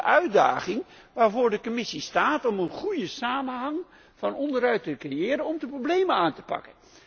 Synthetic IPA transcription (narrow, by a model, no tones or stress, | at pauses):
ʔœɥda̰ːχɪŋ | ʋaːɹvoːɹdəkomɪsistaːtɔmənχujəsaːmənɦɑŋ | fɑnɔndəɾœɥtəkrejɪːɾənɔmdəprowblejmənaːntə̥pɑ̰kən